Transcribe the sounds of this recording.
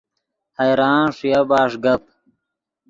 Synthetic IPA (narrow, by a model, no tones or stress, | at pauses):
hɐjɾaːnʂijabaːʂɡɐp̚